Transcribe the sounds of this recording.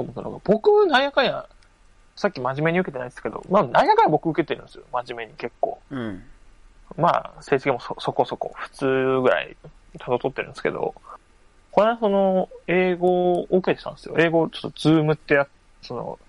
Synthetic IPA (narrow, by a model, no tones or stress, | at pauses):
t̪oːmot̪ːano̰ɡa̰b̥o̞kɯ̟naijakaɲa | sakʲːimaʑime̞ɲ̟iɯ̟ke̞t̪e̞naid̪esɨ̥ke̞d̪o̞̰manaijakaɲabo̞kɯ̟ɯ̟ke̞t̪eɾɯ̟̃nsɨjo̞maʑime̞ɲ̟ike̞kːo̞̰ː | ma̰ːse̞ːsi̥kẽmososo̞ko̞so̞ko̞̰ɸɯ̟̥t͡sɨːɡɯ̟ɾa̰ḭ | t̪ʰad̪ot̪o̞t̪ːeɾɯ̟̃nd̪esɨ̥ke̞d̪o̰ | konas̬o̞noe̞ːɡo̞ːket̪e̥t̪ã̰nd̪esɨjo̰ʔe̞ːɡo̞t͡ɕo̞̥t̪ːod͡zɨːmɯ̟t̪ːe̞jat̪ | so̞no̰